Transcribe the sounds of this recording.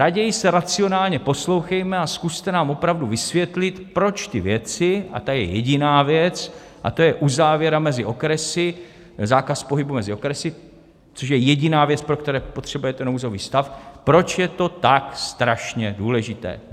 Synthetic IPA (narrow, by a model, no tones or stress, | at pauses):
ɾaɟɛjɪsɛɾat͡sio̞naːlɲɛpo̞slo̞wxɛjmɛaskust̪ɛnaːmo̞pɾavduvɪsvjɛt̪lɪt̪pɾo̞t͡ʃt̪ɪvjɛt͡sɪa̰t̪ajɛjɛɟɪnaːvjɛt͡s | ʔa̰t̪o̞jɛʔuzaːvjɛɾamɛzɪʔo̞kɾɛsɪ | zaːkaspo̞ɦɪbumɛzɪo̞kɾɛsɪ | t͡soʃ̬jɛjɛɟɪnaːvjɛt͡spɾok̚t̪ɛɾɛːpo̞t̪r̝̥ɛbujɛt̪ɛnowzo̞viːst̪afpɾo̞t͡ʃjɛt̪o̞t̪akst̪ɾaʃɲɛduːlɛʒɪt̪ɛ̰ː